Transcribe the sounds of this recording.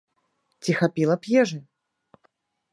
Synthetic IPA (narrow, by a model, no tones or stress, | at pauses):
t͡sʲixapʲilˠɐpʲjɛʐɨ